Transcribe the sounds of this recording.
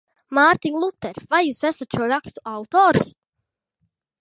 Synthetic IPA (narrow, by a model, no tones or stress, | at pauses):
maːɾt̪iŋlˠut̪ːɛɾvajjuːsæsat̪ʃuɔɾakst̪uawt̪ɔːɾs